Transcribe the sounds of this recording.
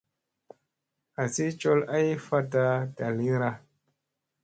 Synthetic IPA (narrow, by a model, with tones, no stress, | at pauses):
a˨si˦t͡ʃo˦la˦jfa˦ta˦˧da˨li˦ɾa˧